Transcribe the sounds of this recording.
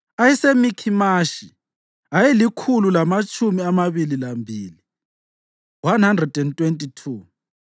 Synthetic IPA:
ajɛsemikʰimaʃi | ajelikʰululamat͡ʃʼumiamaβililambʱiːli | wanhandrɛdɛntʼwentʼitʰuː

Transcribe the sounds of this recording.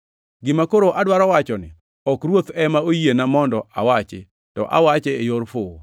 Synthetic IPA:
ɡɪmakoɾoʔadwaɾɔwat͡ʃɔnɪ̰ | ɔkɾwot̪ɛmaojienamɔndɔʔawat͡ʃɪ̰ | tɔ̰ʔa̰wat͡ʃɛːjoɾfʊ

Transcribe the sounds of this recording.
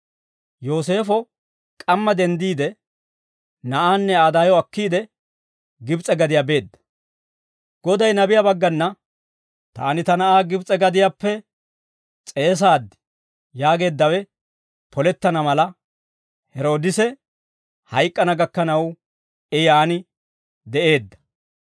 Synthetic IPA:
joːs̬e̞ːfɔ | kʼɐmːɐd̪ɛnd̪iːd̪ɛ | nɐʔaːnːɛaːd̪aːjɔɐkːiːd̪ɛ | ɡɪbt͡sʼɛɡɐd̪ɪjabe̞ːd̪ːɐ̥ | ɡ̥ɔd̪ɐjnɐbɪjɐbɐɡːɐnːɐ | t̪a̰ːnɪt̪ɐnɐʔaːɡɪbt͡sʼɛɡɐd̪ɪjapːɛ | t͡sʼe̞ːs̬aːd̪ɪ | jaːɡe̞ːd̪ːɐwɛ | pʰɔlɛt̪ːɐnɐmɐlɐ | hɛɾo̞ːd̪ɪsɛ | hɐjkʼːɐnɐɡɐkːɐnɐw | ɛjaːnɪ | d̪ɛʔe̞ːd̪ːɐ̥

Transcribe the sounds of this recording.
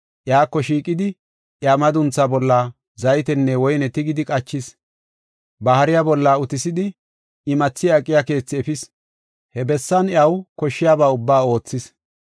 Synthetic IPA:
ʔjaːkːɔʃiːkʼːɪd̪ɪ | ʔjaːmɐd̪ʊnt͡sːabɔlːaː | zɐjt̪ɛnːɛwɔjnɛt̪ɪɡɪd̪ɪkʼɐt͡ʃːɪs | bɐhɐɾɪjabɔlːaːʊt̪ɪsɪd̪ɪ | ɪmɐt͡sːɪjaːkʼːɪjaːke̞ːt͡sːɪɛfɪs | hɛbɛsːɐnjɐwkɔʃːɪjaːbaːʊbːaːo̞ːt͡sːɪs

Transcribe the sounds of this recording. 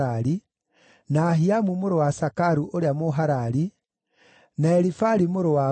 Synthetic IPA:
aɾi | naɦiamumoɾowasakaɾuʔoɾeamoɦaɾaɾi | naɛɾifaɾimoɾowa

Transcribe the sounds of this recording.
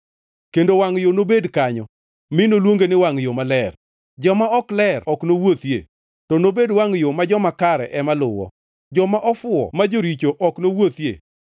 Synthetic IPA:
kendowaŋjonobedkaɲɔ | mɪnolwoŋɡenɪwaŋjomalɛr | d͡ʒɔmaɔklɛrɔknowot̪jḛ | tɔnobedwaŋjomad͡ʒɔmakaɾɛ̰ʔɛmalʊwɔ̰ | d͡ʒɔmaʔɔfʊɔ̰mad͡ʒoɾit͡ʃoʔɔknowot̪jḛ

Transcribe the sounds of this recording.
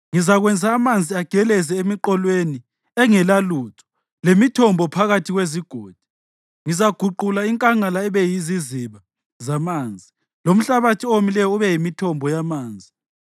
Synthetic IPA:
ŋizaɣwɛnd͡zʱaːmand͡zʱiaɡ̥ʱɛlɛzɛemiǃɔlweni | ɛŋɛlaluːtʰɔ̥ | lemitʰɔmbʱɔpʰaɣatʰiɣweziɡ̥ʱoːd̥ʱi̥ | ŋizaɡ̥ʱuǃulaiŋkʼaŋalaɛβɛjiziziβa | zamaːnd͡zʱi | lom̩ɬaβatʰiomilɛjɔuβɛjimitʰɔmbʱɔjamaːnd͡zʱi

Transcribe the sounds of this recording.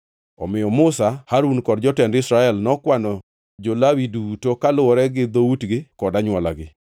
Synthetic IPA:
ɔ̰mɪjɔmʊsahaɾunkɔdd͡ʒɔtɛndɪsɾaɛlnɔkwanɔ | d͡ʒolawidutokalʊwɔɾɛɡɪd̪outɡɪkɔdaɲwala̰ɡɪ

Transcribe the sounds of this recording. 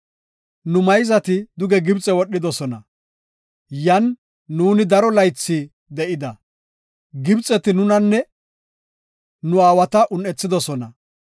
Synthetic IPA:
nʊmɐjzɐt̪ɪd̪ʊɡɛɡɪbt͡sʼɛwɔɗːɪd̪ɔsɔnɐ | jɐnː | uːnɪd̪ɐɾɔlɐjt͡sːiː | d̪ɛʔɪd̪ɐ | ɡɪbt͡sʼɛt̪ɪnʊnɐnːɛ | nʊaːwɐt̪ɐʔʊnɛt͡sːɪd̪ɔsɔnɐ

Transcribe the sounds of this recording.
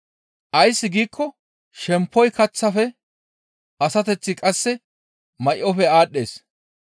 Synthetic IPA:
ʔɐjsːɪɡiːkʰːɔ | ʃɛmpːɔjkɐt͡sːɐfɛ | ʔɐsɐt̪ɛt͡sːɪkʼɐsːɛ | mɐjʔɔfɛaːɗːe̞̰ːs

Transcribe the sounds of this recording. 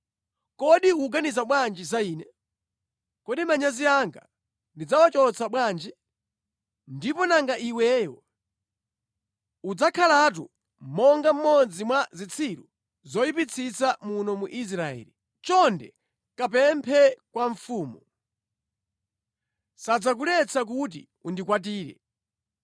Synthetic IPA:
kɔɗiuɡanizaɓwand͡ʒizaiːnɛ | kɔɗimaɲaziaŋɡa̰ | ndid͡zawat͡ʃɔt͡sʰaɓwaːnd͡ʒi | ndipɔnaŋɡaʔiwɛːjɔ | ud͡zakʰalat̬u | mɔŋɡam̩mɔd͡zimwazit͡sʰiɾu | zɔjipit͡sʰit͡samunɔmuʔis̬ɾaɛ̰ːli | t͡ʃɔndɛ̰ | kap̬ɛmpʰɛkwaɱfuːmu | sad͡zakulɛt͡sʰak̬ut̬ḭ | undikwat̬iːɾɛ̰

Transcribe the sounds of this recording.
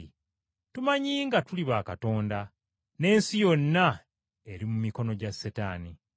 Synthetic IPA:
tumaɲiːŋɡatuliβaːkato̞ːnda | ne̞ːnsijo̞nːa | e̞ɾimumiko̞no̞ɟasːetaːni

